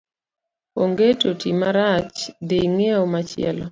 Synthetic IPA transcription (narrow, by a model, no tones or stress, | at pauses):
oŋɡetotimaɾat͡ʃdeŋeomat͡ʃɪɛ̰lɔ